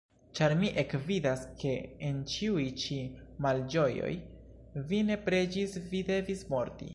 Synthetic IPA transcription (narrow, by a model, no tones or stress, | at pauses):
t͡ʃaɾmiʔekvidaske̞ent͡ʃiujt͡ʃimald͡ʒo̞jo̞̰j | vine̞pɾe̞d͡ʒisvide̞vismo̞ɾtḭ